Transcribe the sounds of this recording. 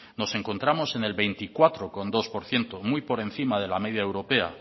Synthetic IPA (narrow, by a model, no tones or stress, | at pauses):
no̞se̞ŋko̞nt̪ɾamo̞se̞ne̞lβe̞jnt̪ikwat̪ɾoko̞nd̪o̞spo̞ɾθje̞nt̪omujpo̞ɾe̞nθimað̞e̞lame̞ðjaewɾo̞pe̞a̰